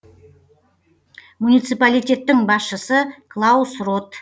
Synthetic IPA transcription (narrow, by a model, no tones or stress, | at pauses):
munijt̪sɨjpalijt̪ʲe̞t̪ːɪŋbɑsʃəsəklˠasrot̪